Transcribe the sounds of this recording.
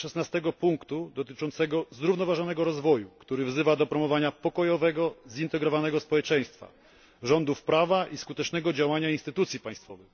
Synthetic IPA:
ʂɛsnast̪ɛɡɔpuŋkt̪ud̪ɔt̪ɘt͡ʂɔnt̪sɛɡɔzɾuvnɔvaʐɔnɛɡɔɾɔzvɔjukt̪uɾɘvzɘvad̪ɔpɾɔmɔvaɲapɔkɔjɔvɛɡɔzint̪ɛɡɾɔvanɛɡɔspɔwɛt͡ʂɛ̃j̃st̪fa̰ | ʐɔnd̪ufpɾavaʔiskut̪ɛt͡ʂnɛɡɔd͡ʑawaɲainst̪ɘt̪ut̪sʲjipãj̃st̪fɔvɛx

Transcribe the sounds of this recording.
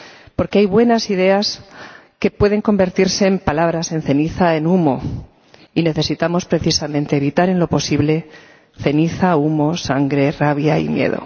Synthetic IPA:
po̞ɾkeajβwe̞nasið̞e̞as | ke̞pwe̞ðe̞ŋko̞mbe̞ɾt̪iɾse̞ːmpalaβ̞ɾase̞nθe̞niθaenumo̞ | ine̞θe̞sit̪amo̞spɾe̞θisamẽ̞nt̪e̞ːβit̪aɾe̞nlo̞po̞siβle̞ | θe̞niθaumo̞saŋɡɾe̞raβ̞jaḭmjḛðo̞̰

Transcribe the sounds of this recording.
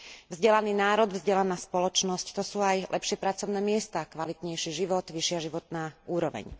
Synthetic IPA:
vzɟɛlaniːnaːɾɔd̪vzɟɛlanaːspɔlɔt͡ʃnɔsct̪ɔsuːajlʔɛ̰pʃɪɛpɾat͡sɔʊnɛːmɪɛst̪aːkʋalit̪ɲɛjʃiʒiʋɔt̪ʋiʃɪaʒiʋɔt̪naːuːɾɔʋɛ̰ɲ

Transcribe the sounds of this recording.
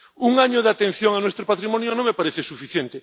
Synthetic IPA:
uŋaɲoðat̪ẽn̟θjoŋanwest̪ɾopat̪ɾimonjonõmepaɾeθesufiθjent̪e

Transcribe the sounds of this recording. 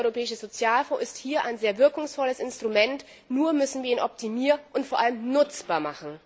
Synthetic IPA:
ɔʏʁopʰɛːɪʃəzot͡sjaːlfõːʔɪsthiːɐʔa̰ɪnzeːɐvɪɐkʊŋsfɔləsɪnstʁ̥umɛnt | nuːɐmʏsn̩viːɐiːnʔɔp̚tʰimiːʔʊntfoːɐʔaləmnʊt͡sb̥aːɐmaχn̩

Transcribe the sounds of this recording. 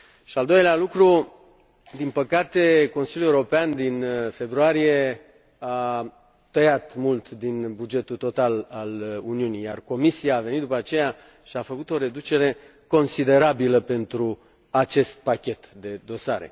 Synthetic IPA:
ʃiald̪ojlealukɾu | d̪inpəkat̪e̞ko̞nsiljueuɾopeand̪infe̞bɾuaɾije̞ | a | t̪əjat̪mult̪d̪inbud͡ʒe̞t̪ut̪o̞t̪alaluniunija̰rko̞misiaːve̞nit̪d̪upəat͡ʃe̞ja | ʃiafəkut̪o̞ɾe̞d̪ut͡ʃe̞ɾe̞ | ko̞nsid̪e̞ɾabiləpe̞nt̪ɾu | at͡ʃe̞st̪̚pakʲe̞t̪d̪e̞d̪o̞saɾḛ

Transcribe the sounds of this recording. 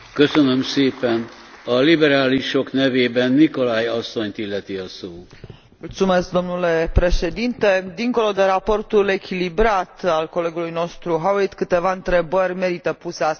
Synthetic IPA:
køsønømseːpɛn | ɒlibɛɾaːliʃo̞knɛveːbɛnːikolajɒsːo̞ɲt̪ilːɛt̪iɒsoː | mult̪sume̞sk̚d̪o̞mnule̞pɾe̞ʃe̞d̪int̪e̞d̪iŋko̞lo̞d̪e̞ɾapo̞rt̪ule̞kʲilibɾat̪alko̞le̞ɡulujno̞st̪ɾuɦawoit̪kɨt̪e̞vaɨnt̪ɾe̞bərʲme̞ɾit̪əpusea

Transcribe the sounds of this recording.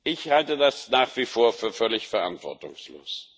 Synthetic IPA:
ʔɪçhaltədasnaːχv̥iːfoːɐfyːɐfœɐlɪçfɛɐʔa̰ntv̥ɔ̰ɐtʊ̰ŋslo̰ːs

